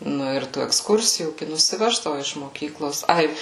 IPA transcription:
ˈnʊ ɪr tuː ɛksˈkʊrʲsʲɪjuː ɡʲɪ nʊsʲɪˈʋʲæːʒdɐʋʊ ɪʃ moːˈkʲiːklˠoːs ˈɐɪ

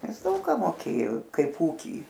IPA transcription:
ˈnʲɛs ˈdɐʊk kɑː moːˈkʲeːjoː ˈkɐɪp ˈuːkʲiː

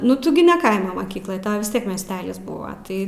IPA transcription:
nʊ ˈtʊ ɡʲɪ nʲɛ ˈkɐɪmoː moːˈkʲiːklˠoːj ˈtɐʊ ʋʲɪs ˈtʲiɛk mʲiɛsʲˈtʲæːlʲɪs ˈbʊʋɐ ˈtɐɪ

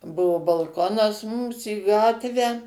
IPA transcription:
ˈbʊʋʊ bɐlˠˈkoːnɐs ˈmʊms iː ˈɡɑːtʲʋʲæː

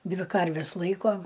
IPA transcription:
ˈdʲʋʲɪ ˈkɐrʲʋʲɛs ˈlˠɐɪkoː

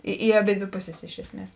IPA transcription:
ɪ ɪ ɐˈbʲeːdʲʋʲeː ˈpʊˌsʲeːs ˈɪʃ ɛsʲˌmʲiɛs

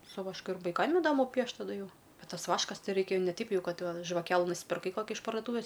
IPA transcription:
sʊ ʋɐʃˈkʊ ɪr ʋɐɪˈkɐm ɪˈdɑːmʊ ˈpʲiɛʃt tɐˈdʊ ˈjɛʊ ˈbʲɛt ˈtɐs ˈʋɑːʃkɐs ˈtʲɛɪ ˈrɐɪkʲɛ nʲɛ ˈtʲɛɪp ˈjɛʊ ˈkɐt ʒʋɐˈkʲæːlˠɨ nʊsʲpʲɪrˈkɐɪ ˈkoːkʲɪ ɪʃ pɐrdoːˈtuːʋʲeːs

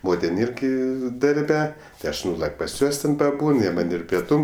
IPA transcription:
ˈmoːtʲɪn ˈɪrʲɡʲɪ dɐrʲˈbʲɛ tɐɪ ˈɐʃ ˈnuːlˠɐkʲ pɐs ˈjuɔs tʲɛn pɐˈbuːn ˈjiɛ mɐnʲ ɪr pʲiɛˈtuːm

